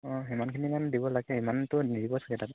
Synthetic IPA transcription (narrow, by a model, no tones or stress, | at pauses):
ɔ̃ɦimankʰininandibɔlaɡɛimantʊnidibɔsḁɡɛtat